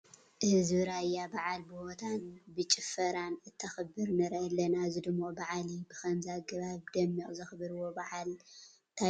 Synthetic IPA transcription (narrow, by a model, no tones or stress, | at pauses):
ʔɨhzβɨɾajːabaʕalbɨhot̪ʰanbɨt͡ʃʼɪfɐɾanɨt̪ʰːɐxɐbɨɾnɐɾʔɐlːɐnazɨd̪ɨmːobaʕalibɨxɐnzaɡɐβaβd̪ɐmːiʔʼzɐxbɨɾɨwobaʕal | t̪ʰa